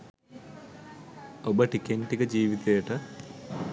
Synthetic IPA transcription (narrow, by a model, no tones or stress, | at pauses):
obəʈikeɳʈikəd͡ʑiːʋit̪ejɐʈə